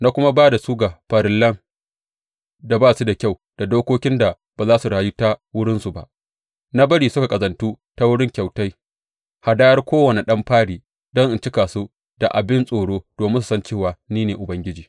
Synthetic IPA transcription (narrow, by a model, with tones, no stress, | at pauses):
na˦kʷʊ˦ma˦baː˦da˨su˦ɡa˨ɸɐ˨ɾɪ˨lːɐ˦ŋ | da˨baː˦su˦da˨kʲa˦˨w | d̥a˨doː˦kʷoː˦kʲɪ˦nda˨ | baː˨zaː˦su˨ɽaː˨ju˦ta˦wʊ˦ɽɪ˦nsu˨ba̰˦ʔ | na˦bɐ˦ɽiː˨sʊ˦ka˨kʼɐ˨zɐ˨ntuː˦ | ta˦wʊ˦ɽɪ˦ŋkʲa˨wta˦j | ha˨daː˦jɐ˦rkʷoː˦wɐ˨ne˨ɗɐ˦mɸaː˦ɽiː˨ | dɔ˦ŋʔɪ˨nt͡ʃɪ˦kaː˨su˦ | d̥a˨ʔa˨bɪ˦nsʼoː˨ɽoː˦d̥oː˨mɪ˦su˨sɐ˦nt͡ʃeː˦˨waː˨niː˦neː˨ʔʊ˨bɐ˦ŋɡʲɪ˦d͡ʒiː˨